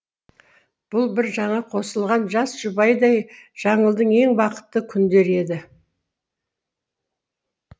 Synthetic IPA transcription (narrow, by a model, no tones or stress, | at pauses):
b̥ʊlˠbɪɾʒɑɴɑqʰo̞səlˠʁɑnʒɑsʒ̥ʊbɑjd̪ɑjʒ̥ɑɴəlˠd̪əɴe̞ŋbɑqə̥t̪ːəkʲʰʏnd̪e̞ɾe̞d̪ɪ